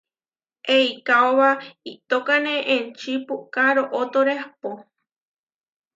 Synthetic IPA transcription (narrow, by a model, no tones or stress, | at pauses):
ʔeikaoβait̪okanẽʔẽnt͡ʃipukaɾoʔot̪oɾepo